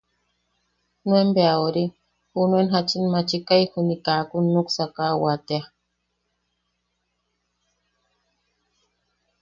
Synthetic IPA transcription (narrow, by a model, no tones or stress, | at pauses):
nwembeauɾi | xunwenxat͡ʃinmat͡ʃikajxunikakunːuksakawat̪ea